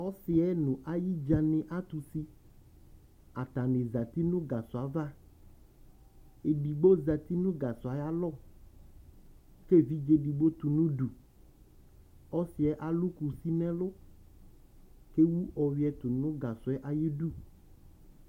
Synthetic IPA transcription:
ɔ˦si˨ɛ˦nũ˨ʔa˦ji˦d͡ʒa˨nẽ˨ʔa˦t̪u˨si˦ | a˨t̪a˨nẽ˨za˨t̪i˦nũ˦ɡa˨sʊ˨a˨va˦ | e˨ɖi˨ɡ͡bo˦za˨t̪i˦nũ˦ɡa˨su˨a˨ja˦lɔ˦˨ | ke˦˨vi˦d͡ʒe˦bi˨ɡ͡bo˦t̪u˨nũ˦ɖu˨ | ɔ˦si˨ɛ˦ʔa˦lu˦ku˨si˦nɛ̃˦lo˦ | ke˦wu˦ʔɔ˨wi˦ɛ˦t̪u˨nũ˦ɡa˨sʊ˨˦ɛ˦ʔa˨ji˦ɖu˦˨

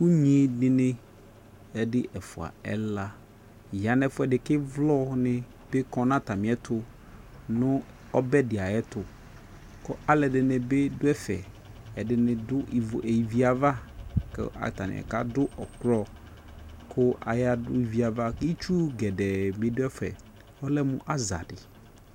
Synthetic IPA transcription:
ku˦ɲĩ˦dɪ̃˨nɪ̃˦ | ɛ˦dɪ˦ʔɛ˨fʊ˨a̰˨ɛ̰˦la˦˨ | ja˨nɛ˨fʊ˦ɛ˨ɖɪ˨kɪ˦vlɔ˦nɪ̃˦ | b̥e˦kɔ̃˨nã˦t̪a˨mɪ̃˨˦ɛ˦t̪ʰʊ˦ | nʊ̃˦ | ɔ˦bɛ˦dɪ˨a˨jɛ˦t̪ʊ˨ | kʊ˦ʔa˨lɛ˨dɪ˨nɪ̃˨be˦dʊ˦ɛ˦fɛ̰˨ | ɛ˨dɪ˨nɪ˨dʊ˦˨ʔe˨ji˨vi˨a˨va˦kɛ̰˦a̰˨t̪a˨nɪ̰˨ɛ̰˨ka̰˦dʊ˦ʔɔ˨kɾɔ˦ | kʰʊ˦a̰˨ja˦dʊ̰˦i˨vi˨a˨va˦ki˦t͡ʃu˦ɡɛ˨dɛ˨mɪ̃˨dʊ˦ɛ˦fɛ̰˨ | ɔ˦lɛ˦mʊ̰̃˦ʔa˦za̰˨dɪ̰˨

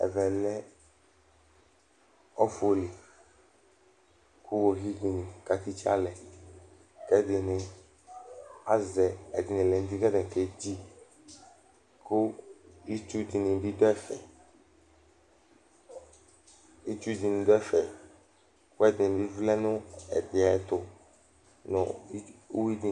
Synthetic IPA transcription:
ɛ̰˨vɛ˨lɛ˦ | ɔ˦fo˨li˨ | ku˦wo˨ɦi˦ɡi˨nĩ˨ka˨t̪i˦t͡ʃi˦a̰˦lɛ˨ | kɛ˦dɪ˨nɪ̃˨ | a˦zɛ˨ɛ˨dɪ˨nɪ̃˨lɛ˨n˦d̪i˦ɡɛ˦dɛ˨kɛ˨d͡ʑi˦ | kʊ˦i˦t͡ʃu˦di˨nĩ˨di˦d̪ɔ˦ɛ˦fɛ˨ | i˦t͡ʃu˦di˨nĩ˨d̪ɔ˦ɛ˦fɛ˨ | kʊ˦ɛ˦dɪ˨bi˦vlɛ˦nʊ̃˦ɛ̰˨dɪ˨a˨˦t̪ʊ˨ | nʊ̰̃˨˦o˦wi˦di˨

